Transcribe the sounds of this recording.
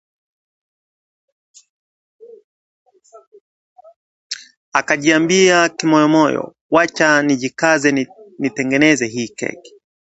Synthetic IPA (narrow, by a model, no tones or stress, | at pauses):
akaʄiambiakimɔjɔmɔjɔ̰ | wat͡ʃaniʄikazɛnitɛŋɡɛnɛzɛɦiːkɛ̰ki̥